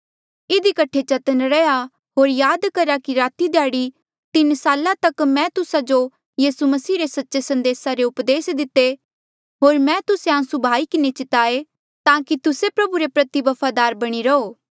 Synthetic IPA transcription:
ɪd̪ikɐʈʰet͡ʃɐt̪ənɾɛja | ɦoːɾjaːd̪kɐɾakiɾaːt̪id̪jaːɽi | t̪ɪnsaːlãt̪ɐkmɛ̃t̪ʊsad͡ʒo | jiːsumɐsiːɾesɐtːʃesɐ̃nd̪eːsaɾeʊpd̪eːsd̪ɪt̪ːe | ɦoːɾmɛ̃t̪ʊseãːsubʱaːikɪnet͡ʃɪt̪aːe | t̪ãːkit̪ʊsepɾɐbuɾepɾɐt̪ibɐpʰad̪aːɾbɐɽ̃iɾɐoː

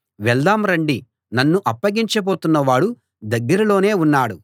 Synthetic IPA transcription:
ʋɛld̪aːmɾɐɳɖi | nɐnːuʔɐpːɐɡiɲt͡ʃɐbo̞ːt̪unːɐʋaːɽu | d̪ɐɡːɐɾɐlo̞ːne̞ːunːaːɽu

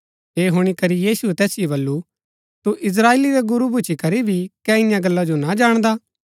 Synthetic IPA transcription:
ɦeːɦʊɽ̃ikɐɾijiːsuɛt̪ɛːsɪjobɐlːu | t̪uʔɪs̬ɾaːeːliɾɛɡʊɾubʱʊt͡ʃʰikɐɾibʱikɛɪjãɡɐlːad͡ʒonad͡ʒaːɽ̃d̪a

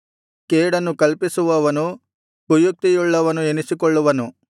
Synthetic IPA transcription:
keːɽɐnːukɐlpisuʋɐʋɐnu | pujuk̚t̪ijuɭːɐʋɐnuenisikɔɭːuʋɐnu

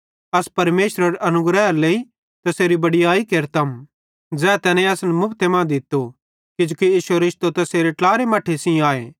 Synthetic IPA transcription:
ɐspɐɾmeːʃɾɐɾʔɐnʊɡɾɛːɾleːi | t̪ɐseːɾibɐɽijaːikeːɾt̪ɐm | d͡zɛːt̪ɛːnẽɐsnmʊpʰt̪ʰemãd̪ɪt̪ːo | kɪd͡ʒukijiːʃɾɪʃt̪ot̪ɐseːɾeʈlaːɾemɐʈʰesĩaːḛː

